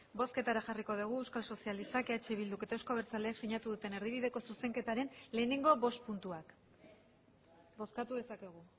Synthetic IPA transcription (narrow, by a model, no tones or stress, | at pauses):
bo̞ske̞t̪aɾaʝariko̞ð̞uɣ̞uewskalso̞sialist̪akeat͡ʃe̞β̞ild̪uke̞t̪aewskoβ̞e̞ɾt͡saleaksiɲat̪uðut̪e̞ne̞ɾðiβ̞iðe̞ko̞suse̞ŋke̞t̪aɾe̞nle̞ːne̞ŋɡo̞βo̞st̪̚punt̪uak | bo̞skat̪uðe̞sake̞ɣ̞u